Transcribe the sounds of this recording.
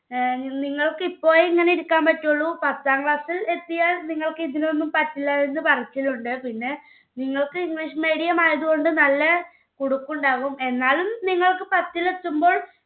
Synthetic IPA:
niŋːɐɭkɨipːo̞ːjiŋːɐneiɾukːaːmpɐtːuɭːupɐt̪ːaːŋkɭaːsile̞t̪ːijaːlniŋːɐɭkɨiðinonːumpɐtːilːɐenːɨpɐrɐt͡ɕːiluɳɖɨpinːe̞ | niŋːɐɭkɨiŋɡɭiʂmeːɽijɐmaːjɐðuɣo̞ɳɖɨnɐlːɐ | koɽukːuɳɖaːʋume̞nːaːlumniŋːɐɭkɨpɐt̪ːilet̪ːumbo̞ːɭ

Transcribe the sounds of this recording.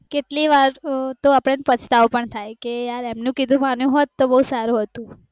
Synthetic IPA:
keʈliʋaɾt̪oapɽ̃enpət͡ʃʰt̪aopəɳt̪ʰajkejaɾemnũkid̪ʱũmanjũɦɔt̪ːobəɦusaɾũɦət̪ũ

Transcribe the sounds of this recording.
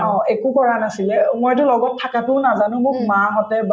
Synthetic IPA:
ɔ̃ekukɔɹanasilɛmojtʊlɔɡɔtʰːakatʊnazanʊ̃muk̚maɦɔtɛb

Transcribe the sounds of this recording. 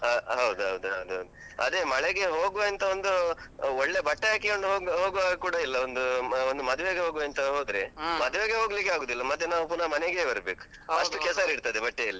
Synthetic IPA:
ɐɦɐwud̪uɦɐwd̪uɦɐwud̪uɦɐ̰wd̪u | ɐ̰d̪e̞mɐɭeɡe̞ɦoːɡuɐnt̪ɐond̪uɔɭːe̞bɐʈːeaːkikoɳɖɦoːɡɦoːɡuʋaːɡɐkuːɽɐilːɐond̪uond̪umɐd̪uʋeɡeɦoːɡuɐnt̪ɐɦo̞ːd̪ɾemɐd̪uʋeɡeɦoːɡlikːeaːɡoːd̪ilːɐmɐt̪ːenaːʋupuɾnɐmɐneɡebɐɾbeːku̥ | ɐʂʈukɛlsaɾiɽt̪ad̪ebɐʈːejɐlːi

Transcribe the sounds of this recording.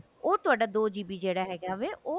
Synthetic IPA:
oːt̪ʊaːɖaːd̪oːd͡ʒiːbiːd͡ʒeːɽaːɦɛːɡaːʋeːʔoː

